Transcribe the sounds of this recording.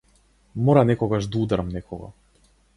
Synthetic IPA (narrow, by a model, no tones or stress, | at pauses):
mɔɾanɛkɔɡaʒd̪aud̪ɾamnɛkɔɡa̰